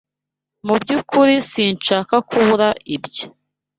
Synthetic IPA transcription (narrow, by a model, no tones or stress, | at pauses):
mubɟukuɾisiːnt͡ʃaːkakʰuβuɾaʔibjo